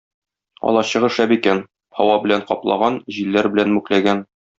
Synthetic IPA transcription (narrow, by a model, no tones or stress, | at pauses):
ɒ̰lˠɑɕɤ̆ʁɤ̆ʃæbikæn | hɒwɑbɘ̆læɴqɒplˠɑ̰ʁɑnʑilːæɾbɘ̆lænmʉklæɡæn